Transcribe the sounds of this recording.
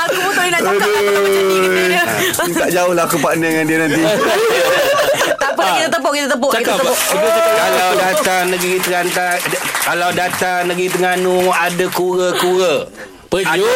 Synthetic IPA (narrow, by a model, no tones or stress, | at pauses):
akubot̪ʊinaaaə | aʔd͡ʒaʊhlaɦakupaʔnəŋandiənant̪̬i | t̪apəkit̪at̪əpɔʔkit̪ət̪əp̬oʔt͡ʃakitkaədusəkəalawdat̪anəɡɾit̪əkant̪akalawdat̪anəɡit̪̬əŋanuadakuɾəkuɾə | pəd͡ʒu